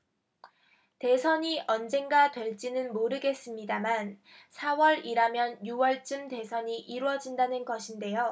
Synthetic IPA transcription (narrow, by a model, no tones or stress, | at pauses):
te̞sʰʌɲiʔʌnd͡ʑe̞ŋɡadwe̞ɭt͡ɕ͈inɯnmoɾɯɡe̞s͈ɯmɲidamansʰawʌɾiɾamjʌnjuwʌɭt͡ɕ͈ɯmte̞sʰʌɲiʔiɾwʌd͡ʑindanɯnɡʌɕʰinde̞jo